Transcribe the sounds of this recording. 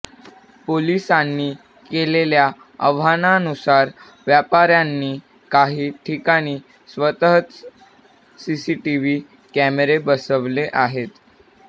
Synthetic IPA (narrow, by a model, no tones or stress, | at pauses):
polisanːiː | kelelja | ə̰ʋananusaɾ | ʋjapaɾjanːiː | kaɦiːʈʰikaɽ̃iː | sʋət̪əɦət̪ | sisiʈiʋiː | kæmeɾebəsəʋleʔaɦet̪